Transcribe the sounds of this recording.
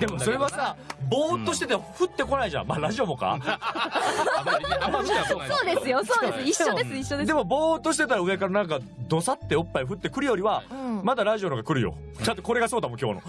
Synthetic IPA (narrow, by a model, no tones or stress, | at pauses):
d̪e̞mosso̞ɾe̞βasabo̞ːt̪ːo̞ɕi̥t̪e̞t̪aɾɸɯ̟t̪ːe̞ko̞naiʑã̰maɾaʑio̞mo̞ka̰ | soːd̪eɨjosoːsiɕːod̪esɨiɕːod̪ed̪e̞mo̞bo̞ːt̪ːo̞ɕ̬it̪e̞t̪̬aɾaɯ̟ekaɾanãŋka | d̪o̞sat̪ːe̞opːaiɸɯ̟t̪ːe̞kɯ̟ɾɯ̟jo̞ɾʲiβãmad̪aɾaʑio̞noɡakɯ̟ɾɯ̟jo̰ | t͡ɕat̪oko̞ɾe̞ɡaso̞ːd̪amo̞kʲo̞̰ːno̞̰